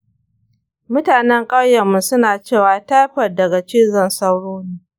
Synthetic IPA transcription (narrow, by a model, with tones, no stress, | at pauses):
mʊ˦taː˨nɛ˦ŋkʼɐ˦wjɐ˨mːu˦sʊ˦naː˨t͡ʃeː˦˨waː˨ta˦jɸɐ˨rdɐ˨ɡa˨t͡ʃɪ˦zɐ˦˨nsa˦wɽoː˦niː˦